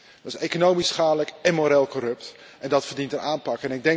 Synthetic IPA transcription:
dəsejkonowmisχaːdələkɛnmoːɾeːlˠkɔɾɵpt | ʔɛndɑtfərdintəɾaːmpɑkɛnɪɡ̚dɛŋ

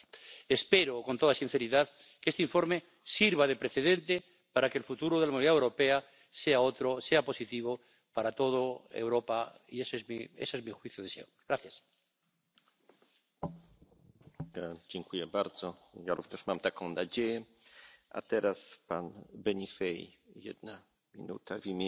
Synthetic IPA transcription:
espeɾokont̪oðasin̟θeɾiðað | keest̪iɱfo̞ɾme | siɾβaðepɾeθeðent̪e | paɾakeːlfut̪uɾoðelamuniðaewɾo̞pea | seaot̪ɾoseapo̞sit̪iβ̞o | paɾat̪o̞ð̞oḛwɾopaḭesezmiḛsezmixwiθjoðesḛoɡ̥ɾaθjas | d͡ʑɛŋkujɛbaɾd̪zɔjaɾuvɲɛʂmamt̪akɔ̃w̃nad͡ʑejɛ | a̰t̪ɛɾaspanbɛɲifɛj | jɛ̰d̪̚na | mʲḭnṵt̪avʲimʲɛ

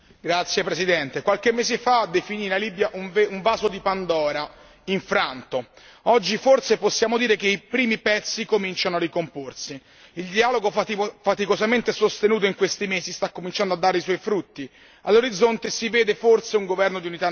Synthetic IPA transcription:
ɡɾat̪sːjepɾezid̪ɛnt̪ekwalk̟emːeːzefad̪efinilaliːbjaʔuɱvuɱvaːzod̪ipand̪ɔːɾa | iɱfɾant̪o | ɔd͡ʒːifortseposːjaːmod̪iːɾekeipɾiːmipɛt̪sːikomint͡ʃanoarikomporsi | ild̪iaːloɡofat̪ikozament̪esost̪enuːt̪̬oiŋkwest̪imeːsist̪akːomint͡ʃand̪oad̪ːaːɾeiswɔjfɾut̪ːi | alːoɾid̪zːont̪esiveːd̪efort̪seuŋɡovɛrnod̪iunit̪a

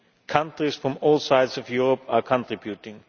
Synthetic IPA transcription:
kʰʌ̃ntɹiz̥fɹʌ̃mɔːlˠsaɪdzʌvjuɹəpəkʰə̃ntʰɹ̥ɪbjutɪ̃ŋ

